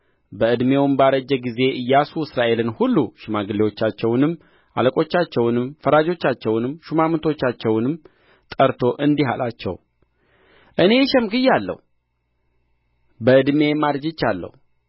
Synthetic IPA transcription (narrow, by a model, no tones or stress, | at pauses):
bəɨd̪me̞wnbaɾəd͡ʒːɛɡize̞ɨjːasuɨsɾaʔe̞lɨnhulːuʃɪmaɡɨlewo̞t͡ʃːat͡ʃːɛwnɨmː | ʔa̰ləkʼo̞t͡ʃːat͡ʃːɛwnɨmfəɾad͡ʒo̞t͡ʃːat͡ʃːɛwnɨmʃumamt̪ʰo̞t͡ʃːat͡ʃːɛwnɨmː | t̪ʼəɾt̪ʰo̞ʔɨnd̪iha̰lat͡ʃːɛ̰w | ʔɨne̞ʃɛmɡɨjːalːə̰h | bəɨd̪me̞mad̪d͡ʒɪt͡ʃːalːə̰h